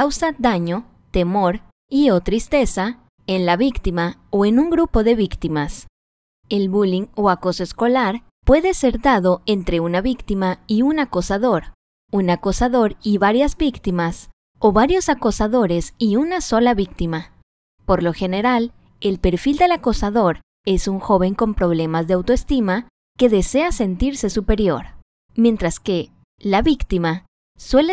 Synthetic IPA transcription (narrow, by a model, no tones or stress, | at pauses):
awsaðaɲo̞ | t̪e̞mo̞ɾ | io̞t̪ɾist̪e̞sa | e̞nlaβikt̪imaoe̞nuŋɡɾupo̞ðe̞βikt̪imas | e̞lβuliŋoako̞soesko̞laɾ | pwe̞ðe̞se̞ɾðaðo̞e̞nt̪ɾe̞unaβikt̪imaiunakosaðo̞ɾ | unakosaðo̞ɾiβaɾjazbikt̪imas | o̞βaɾjo̞sakosaðo̞ɾe̞siunaso̞laβikt̪ima | po̞ɾlo̞xe̞ne̞ɾal | e̞lpe̞ɾfild̪e̞lakosaðo̞ɾ | e̞suŋxo̞βe̞ŋko̞mpɾo̞β̞le̞mazðe̞awt̪oest̪ima | ke̞ðe̞se̞ase̞nt̪iɾse̞supe̞ɾjo̞̰ɾ | mje̞nt̪ɾaske̞ | laβikt̪ima | swe̞le